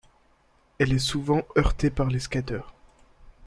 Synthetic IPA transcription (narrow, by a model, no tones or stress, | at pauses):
ɛlɛsuvɑ̃œʁt̪epaʁleskʲat̪œːʁ